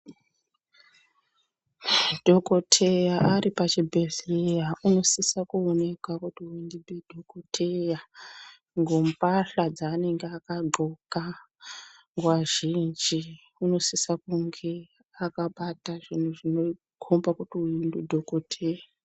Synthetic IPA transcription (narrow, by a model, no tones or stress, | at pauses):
d̥ʱo̞kotʰejaʔaripat͡ʃibʱeɮejauno̞sisakuone̞kwakutiuindibʱedʱokotʰeja | ŋɡompaɬad͡zaːne̞ŋɡeakaɡ͡ǃʱoka | ŋɡwaʒind͡ʒi | uno̞sisakuŋɡe̞ | akaɓataʐin̤uʐino | kʰombakutiuindudʱokotʰeja